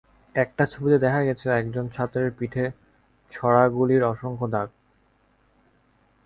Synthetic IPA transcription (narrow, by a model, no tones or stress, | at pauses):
ɛk̚ʈat͡ɕʰobit̪ed̪ɛkʰaɡɛt͡ɕʰeɛkd͡ʑont͡ɕʰat̪ːɾeɾpiʈʰe | t͡ɕʰɔɽaɡuliɾɔʃoŋkʰod̪ak̚